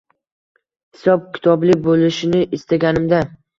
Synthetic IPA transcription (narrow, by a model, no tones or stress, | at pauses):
hɪsɒb̚kʲʰɪ̥t̪ʰɒblɪbolɪʃɪnɪʔɪst̪aɡʲanɪmd̪a